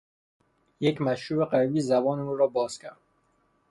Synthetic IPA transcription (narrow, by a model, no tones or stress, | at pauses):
jecmæʃɾuːbeqæɾbiːzæbɒːneuːɾɒːbɒːz̥cʰʲæ̰ɾd̪̥